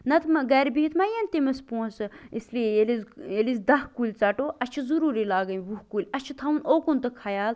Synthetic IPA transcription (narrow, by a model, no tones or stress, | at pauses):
nɐt̪mɐɡɐɾbiɦit̪mɐjɐnt̪imɐspũːnsɨislijejelizelizd̪ɐɦkulʲt͡sɐʈoːʔɐt͡ʃʰuzuɾuːɾilaːɡɐjʋuɦkulʲɐt͡ʃʰut̪ʰɐunoːkunt̪ɨkʰɐjaːl